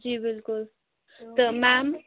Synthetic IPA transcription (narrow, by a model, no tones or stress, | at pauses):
d͡ʒibɪlkʊl | t̪əmam